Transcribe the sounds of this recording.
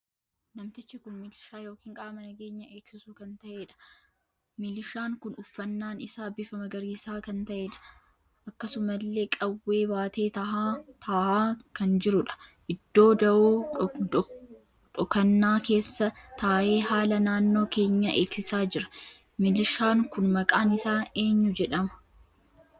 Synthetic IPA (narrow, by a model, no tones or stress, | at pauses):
nɐmt̪ɪt͡ʃːɪkʊnmɪlɪʃaːjo̞ːkiːŋkʼɐʔɐmɐnɐɡe̞ːɲːɐʔeːksɪsuːkɐnt̪ɐʔeːᶑɐ̥ | mɪlɪʃaːŋkʊnʊfːɐnːaːnɪsaːbɪfɐmɐɡɐɾiːɪsaːkɐnt̪ɐʔeːᶑɐ̥ | ʔɐkːɐsʊmɐlːe̞ːkʼɐwːe̞ːbaːt̪e̞ːt̪ɐat̪ʰaːhaːkɐnd͡ʒɪɾʊᶑɐ̥ʔɪd̪̥ːo̞ːd̪ɐʔoː | ᶑɔkɐnːaːke̞ːsːɐt̪aːʔe̞ːhaːlɐnaːnːo̞ːke̞ːɲːɐʔe̞ːksɪsaːd͡ʒɪɾɐ̥ | mɪlɪʃaːŋkʊnmɐkʼaːnɪsaːe̞ːɲːʊd͡ʒɛᶑɐmɐ̥